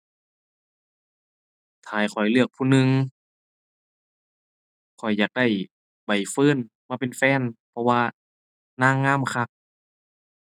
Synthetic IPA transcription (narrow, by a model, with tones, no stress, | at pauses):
t̪ʰaː˨˩jkʰɔ˨˩jlɯ˧˩ək̚pʰuː˧˨nɯ˧ŋ | kʰɔ˨˩jːaː˨˩k̚da˧˩j | ba˨˩jfɤː˧˥˨n | maː˧pe˨nfɛː˧˥˨npʰɔ˧waː˧ | naː˧˥˨ŋːaː˧˥˨mkʰa˧k̚